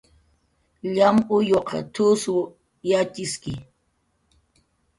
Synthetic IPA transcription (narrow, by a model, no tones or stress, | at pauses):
ʎamʊjoqɑ̰t̪ʊswʊ | jat͡ʃɪskɪ